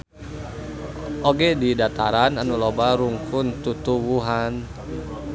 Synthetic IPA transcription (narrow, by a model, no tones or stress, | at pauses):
ʔoɡedidat̪aɾananulobaɾuŋkʊnt̪ut̪uwuɦan